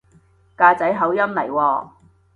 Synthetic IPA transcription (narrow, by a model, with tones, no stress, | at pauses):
kaː˧t͡sɐ˨˥jɦɐ˨˥wjɐ˥mlɐ˨˩jwɔː˧